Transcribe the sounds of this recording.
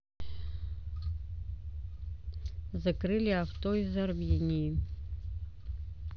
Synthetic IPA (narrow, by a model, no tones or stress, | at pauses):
zakrɨlʲiaft̪oizarmʲinʲiji